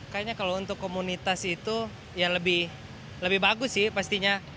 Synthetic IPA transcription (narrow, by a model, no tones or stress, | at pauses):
kajaɲakalount̪ʊkːomunit̪asit̪u | jaləbɪh | ləbɪhbaɡʊsɪhpast̪iɲa